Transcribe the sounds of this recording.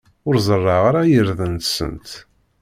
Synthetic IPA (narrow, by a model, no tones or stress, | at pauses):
ʊɾzˤərˤːɑʁaɾajəɾðənt̪sə̰nt̪